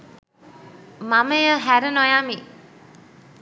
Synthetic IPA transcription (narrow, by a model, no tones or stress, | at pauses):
maməjəɦæɾənojami